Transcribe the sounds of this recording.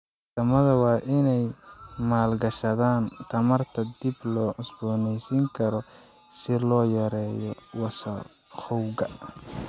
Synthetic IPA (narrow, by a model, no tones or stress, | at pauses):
t̪ɐmɐðɐwɑːʔɪnɛjmaːlɡɐʃɐðaːnt̪ʰɐmɐrt̪ʰɐd̪ɪblɔːʕʊsbɔːnɛjsiːŋkʰɐɾɔ | sɪlɔːjɐɾɛːjɔwɑsɐ | xɔwɡɐ